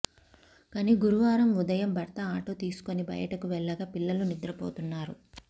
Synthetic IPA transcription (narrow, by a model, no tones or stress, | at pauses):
kɐniɡuɾuʋaːɾɐmud̪ɐjɐmbʱɐɾt̪ɐaːʈoːt̪iːsu̥konibɐ̰jɐ̰ʈɐkuʋɛɭːɐɡaːpilːɐlunid̪ɾɐpo̰ːt̪unːaːɾu